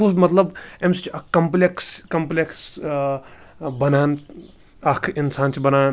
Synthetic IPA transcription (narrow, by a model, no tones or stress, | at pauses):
umɐt̪lɐbemsit͡ʃiɐkɐmplekskɐmpleks | bɐnaːn | ɐkʰinsaːnt͡ʃʰibɐnaːn